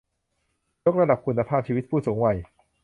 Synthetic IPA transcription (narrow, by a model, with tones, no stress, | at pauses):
jo˦˥k̚ɾa˧da˨˩p̚kʰu˧nːa˧pʰaː˥˩p̚t͡ɕʰiː˧wi˦˥t̪̚pʰuː˥˩suː˩˦ŋwa˨˩j